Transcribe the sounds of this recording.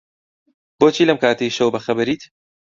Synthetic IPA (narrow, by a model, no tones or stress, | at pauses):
boːt͡ʃʰiːlɐmkaːt̪ejʃɐwbɐxɐbɐɾiːt̪